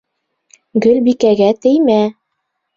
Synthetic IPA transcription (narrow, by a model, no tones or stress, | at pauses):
ɡɵlʲbikæɡæt̪ɘ̆jmæ